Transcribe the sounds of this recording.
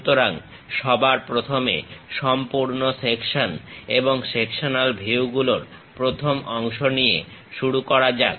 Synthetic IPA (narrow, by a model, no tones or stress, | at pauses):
t̪oɾaŋ | ʃɔbaɾpɾot̪ʰomḛʃɔmpuɾnosekʃoneboŋsekʃonalbʱiuɡuloɾ | pɾot̪ʰomɔŋʃonijḛ | ʃuɽukɔɾad͡ʑa